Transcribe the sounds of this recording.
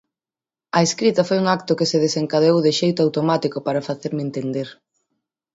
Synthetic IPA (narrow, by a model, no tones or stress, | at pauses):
ɐeskɾit̪ɐfojuŋak̚t̪ʊkɪseðeseŋkaðeowðɪʃejt̪ʊawt̪omat̪ikʊpaɾɐfaθeɾment̪end̪eɾ